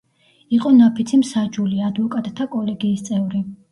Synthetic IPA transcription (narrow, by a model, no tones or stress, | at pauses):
iqʼɔnapʰit̪sʰimsad͡ʒuliad̪vɔkʼat̪ʼt̪ʰːakʼɔlɛɡiːst̪sʼɛvɾi